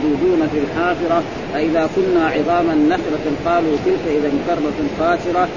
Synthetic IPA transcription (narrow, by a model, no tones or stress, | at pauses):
d̪uːd̪uːnafilħaːfɨɾˤɑ | faʔɪðaːkʊnːaːʕɪðˤɑːmanːaflaqɑːluːt̪ɪlkaʔɪðamkɑrˤːɑfaːʃɪɾɑ